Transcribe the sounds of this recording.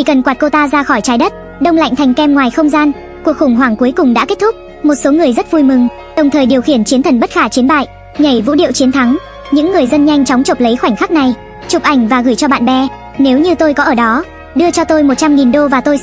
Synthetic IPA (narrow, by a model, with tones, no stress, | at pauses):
i˧˩kə˨˩nkwaː˨˩t̚ko˧t̪aː˧zaː˧xɔ˧˩jt͡ɕaː˨˦jɗə˦˥t̚ | ɗə˧wŋ͡mla̰˧˨jŋt̪ʰjŋ̟kɛ˧mŋwaː˨˩jxə˧wŋ͡mzaː˧n | ku˨˩ək̚xʊ˨˩ŋ͡mɦwaː˧˩ŋku˨˦jkʊ˨˩ŋ͡mɗa̰ː˧˥ke˦˥t̚t̪ʰʊ˦˥k͡p̚ | mo˨˩t̚so˨˦ŋɨ˨˩əjzə˦˥t̚vu˧jmɨ˨˩ŋ | ɗə˨˩wŋ͡mt̪ʰəː˨˩jɗi˨˩əwxi˧˩ənt͡ɕi˨˦ənt̪ʰə˨˩nɓə˦˥t̚xaː˧˩t͡ɕi˨˦ənɓa̰ː˧˨jʔ | ɲə˧˩jvṵ˧˥ɗḭ˧˨əwt͡ɕi˨˦ənt̪ʰa˨˦ŋ | ɲɨ̰˧˥ŋːɨ˨˩əjzə˧nɲa˧jŋ̟t͡ɕɔ˨˦wŋ͡mt͡ɕo˨˩p̚lə˨˦jxwa˧˩jŋ̟xaː˦˥k̚na˨˩j | t͡ɕʊ˨˩k̚ʔa˧˩jŋ̟vaː˨˩ɣɨː˧˩jt͡ɕɔ˧ɓa̰ː˧˨nɓɛ˧ | ne˨˦wɲɨ˧t̪o˧jkɔ˨˦ʔəː˧˩ɗɔ˨˦ | ɗɨ˧ət͡ɕɔ˧t̪o˧jmo˨˩t̚t͡ɕa˧mŋi˨˩nɗo˧vaː˨˩t̪o˧j